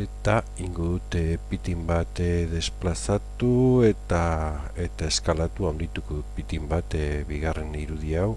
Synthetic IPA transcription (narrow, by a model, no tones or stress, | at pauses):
e̞t̪a | iŋɡoðut̪epit̪imbat̪ðe̞splasat̪ue̞t̪ae̞t̪ae̞skalat̪uawnd̪it̪ukopit̪imbat̪βiɣ̞are̞niɾuðiaw